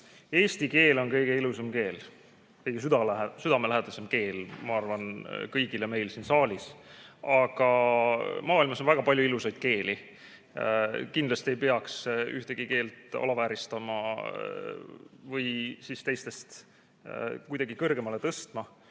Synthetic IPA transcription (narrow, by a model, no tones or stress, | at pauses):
e̞ːsʲt̪ike̞ːlo̞nkɤjɡ̥e̞ilusemke̞ːl | kɤjɡ̥es̬yd̪ɑsyd̪̥ɑmelæɦed̪̥ɑse̞mke̞ːlmɑɑrvɑnkɤjɡileme̞jlsinsɑːlʲisɑɡ̥ɑ | mɑːilmɑsonvæɡ̥ɑpɑlʲjuilusɑjd̪̥̚ke̞ːli | kind̪lɑst̪ie̞jpeɑksyht̪e̞ɡ̥ike̞ːlt̪ɑ̰lɑvæːɾist̪ɑmɑ | vɤjsist̪e̞jst̪e̞st̪ | kujd̪ɑɡikɤrɡ̥e̞mɑle̞t̪ɤst̪mɑ